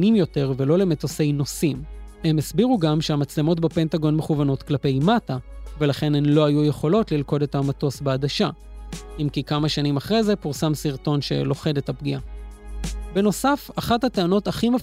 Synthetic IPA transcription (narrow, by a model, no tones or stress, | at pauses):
nimjo̞te̞ʁve̞lo̞le̞meto̞se̞jno̞simhe̞mesbiʁuɡamʃeamat͡sle̞mo̞tbepe̞ntaɡo̞nmeχuvano̞t̪klape̞jmatave̞laχe̞nemlo̞ajujeχo̞lo̞tlilko̞de̞tamato̞sbaːdaʃa | imkikamaʃanimaχʁejze̞puʁsamsiʁto̞nʃe̞̰lo̞χe̞de̞thapɡia | be̞no̞safaχathateano̞taχime